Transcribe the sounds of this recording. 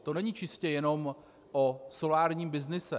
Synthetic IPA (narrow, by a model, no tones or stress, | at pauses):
t̪onɛɲiːt͡ʃɪscɛjɛno̞m | ʔoso̞laːɾɲiːmbɪznɪsɛ